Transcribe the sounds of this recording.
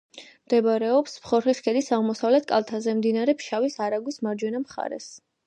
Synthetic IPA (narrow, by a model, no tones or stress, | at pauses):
md̪ɛbɾɛɔpspχɔɾχiskʰɛd̪isaʁmɔsavlɛt̪̚ʰkʼa̰lˠt̪ʰazɛmd̪inaɾɛpʰʃavisaɾaɡwismaɾd͡ʒwɛnamχa̰ɾɛ̰s